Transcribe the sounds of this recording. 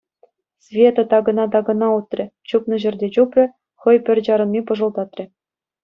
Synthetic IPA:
svʲet̪ɤ̆t̪ɑɡɤ̆nɑd̪ɑɡɤ̆nɑut̪rʲɘ̆t͡ɕupnɤ̆ʑɘ̆rʲdʲet͡ɕuprʲɘ̆ | χɤ̆jpʲɘ̆rʲd͡ʑɑɾɤ̆nmʲipɤ̆ʐɤ̆lˠd̪ɑt̪rʲɘ̆

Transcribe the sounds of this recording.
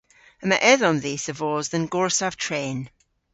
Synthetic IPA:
əməʔɛðɔnðiːsəvɔːzðə̃nɡɔɹsav̥tʰɹ̥eːn

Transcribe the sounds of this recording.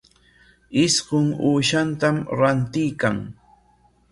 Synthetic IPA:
ɪsɢʊŋuːʃant̪amɾant̪ɪjkaŋ

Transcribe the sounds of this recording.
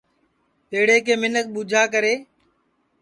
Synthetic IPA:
t̪eːɽeːkeːmɪnək̚ɓud͡ʒʱaːk̬əɾeː

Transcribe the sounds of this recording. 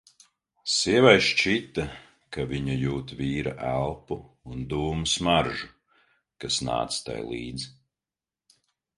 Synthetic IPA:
siɛvajʃt͡ʃit̪a | kaviɲajuːt̪viːɾaʔælˠpuː | nd̪uːmusmaɾʒu | kasna̰ːt̪st̪a̰jlˠḭːd̪z

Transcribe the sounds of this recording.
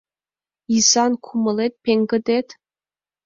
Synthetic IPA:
isɑnkʰumə̆let̪̚pʲeŋɡə̆d̪et̪

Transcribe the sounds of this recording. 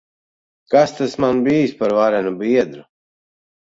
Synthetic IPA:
kast̪asmanbijspaɾvaɾɛnubiɛd̪ɾu

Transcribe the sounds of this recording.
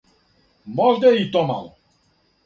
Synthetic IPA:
mɔʒd̪ɛit̪ɔma̰l

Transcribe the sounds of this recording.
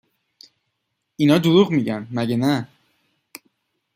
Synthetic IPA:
inɒːd̪oɾuɣmiɟænmæɟenæ

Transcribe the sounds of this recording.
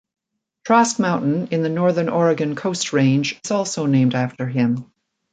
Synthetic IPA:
tʰɹ̥æsk̚mãʊ̃nʔn̩ɨ̃nðɨnɔɹðə̃˞nʔɔɹɨɡɨ̃nkʰoʊst̚ɹẽɪ̃nd͡ʒɪzɔlˠsoʊnẽɪ̃mdæftə˞ɪ̃m

